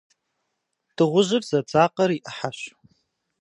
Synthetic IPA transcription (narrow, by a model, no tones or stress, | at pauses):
d̥ɨʁʷʊʒʷɪrzad͡zʼaqʼəɾiʔħaʃʷ